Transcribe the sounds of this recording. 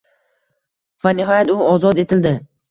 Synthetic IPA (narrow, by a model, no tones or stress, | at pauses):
vanɪɦɒjat̪ʊɒzɒd̪e̞t̪ʰɪld̪ɪ